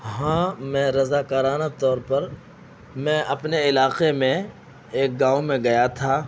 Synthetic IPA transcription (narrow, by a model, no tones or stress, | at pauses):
ɦãːmɛ̃ɾɐzaːkəɾaːnat̪ɔːɾpɐɾ | mɛ̃ʔɐpneɪlaːqemẽ | eːk̚ɡaːomẽɡɐjat̪ʰaː